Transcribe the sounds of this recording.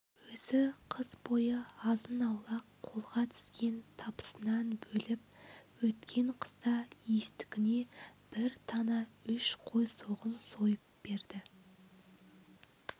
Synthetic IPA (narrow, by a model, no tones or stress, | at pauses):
wɵzɪqʰəzbo̞jəɑzənɑwlˠɑqʰːo̞lˠʁɑt̪ʰʏ̥skʲe̞nt̪ʰɑpə̥sənɑnbɵlɪp̚wɵt̪kʲʰe̞ɴqʰə̥zd̪ɑje̞st̪ɪ̥kʲɪne̞b̥ɪɾt̪ʰɑnɑʏʃqʰo̞jso̞ʁənso̞jəp̚b̥e̞ɾd̪ɪ